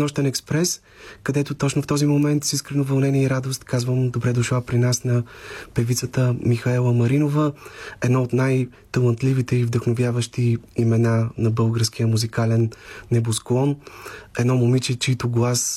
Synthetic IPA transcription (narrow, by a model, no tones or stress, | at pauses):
nɔʃt̪ənɛkspɾɛs | kɐd̪ɛt̪ʊt̪ɔt͡ʃnoft̪ɔzimomɛnt̪siskɾɛnovɐlˠnɛnʲiɛiɾad̪ost̪kazvəmd̪obɾɛd̪ʊʃlˠapɾinasnɐpɛvit̪sət̪əmixɐɛlˠəmɐɾinovəɛd̪naot̪naj | t̪əlˠənt̪livit̪ɛivd̪əxnovʲjavəʃt̪iːmɛnanɐbɤlˠɡəɾskijəmuzikalɛnːɛbosklˠɔnɛd̪nɔmomit͡ʃit͡ʃiit̪ʊɡlˠas